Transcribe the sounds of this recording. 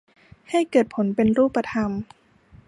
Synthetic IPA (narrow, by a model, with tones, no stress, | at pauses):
ha˥˩jkɤː˨˩t̪̚pʰo˩˦npe˧nɾuː˥˩pːa˧t̪ʰa˧m